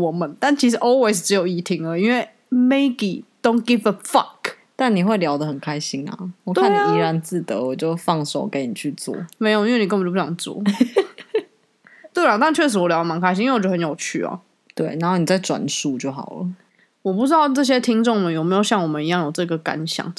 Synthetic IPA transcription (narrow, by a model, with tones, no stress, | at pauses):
wɔ˨˩mə˨˦nt̪a˥˩nt͡ɕʰi˧˥ʂ̬ɻ̩˧˥ʔɔ˥lwe˥˩ɪs̬ʈ͡ʂ̩˧˥jo˨˩ʊi˨˥t̪ʰi˧˥ŋlə˨˦i˦nwe˥˩ɪ | me˥ɪbḭ˨d̪̥o˥˦ʊnɡi˦˥və˩fɑ˨˩k | t̪a˥˩nni˨˩xwe˥˩ɪljɑ˧˥ʊd̪ə˨ɦə˨˩nkʰa˦ɪɕi˦ŋɐ̰˨wɔ˨˩k̪t̪wea˥˨n˨˩i˧˥ɻa˧˦nt͡sɹ̩˥˩t̪ə̰˧˦wɔ˨˩t͡ɕjo˥˧ʊfɑ˥˧ŋso˨˩ʊke˧˦ɪ˦ni˨˩t͡ɕʰy˥˧t͡swɔ̰˥˩me˧ɪji˥nwe˥˩ni˨kə˥˩˨t͡ɕo˥˩˥jɑ̰˨˩t͡swɔ̰˥˩ | t̪we˥˩ɪa˨˩t̪a˥˧nt͡ɕʰɥɛ˥˩ʂ̬ɻ̩˧˥wɔ˨˩ljɑ˥ʊdə˨˩ma˧˦nkʰa˧˥ɪĩ˥˧wɔ˨˦jo˥˩hə˧˦njo˨˩ʊt͡ɕʰy˥˩ɐ̰˨˩ | t̪we˥˩ɪna˧˥nxo˥˩ni˨˩t͡sa˥˩ɪʈ͡ʂwa̰˨˩nsu˥˧t͡ɕjo˥˩ʊxɑ̰˨˩ʊlə̰˦ | wɔ˨˩p̬u˥˩ʈ͡ʂɻ̩˥d̪ɑ˥˧ʊʈ͡ʂɤ˥˩ɕ̬jɛ˦t̪ʰi˥ŋʈ͡ʂʊ˥˩ŋmə˨njo˨˩me˧˥jo˨˩ʊɕjɑ˥˩ŋwɔ˨˩mə˦ni˧˦jɑ˥˩ŋjo˨˩ʊʈ͡ʂɤ˥˩ɡə˩ka̰˧˦nɕjɑ̰˨˩˦ŋ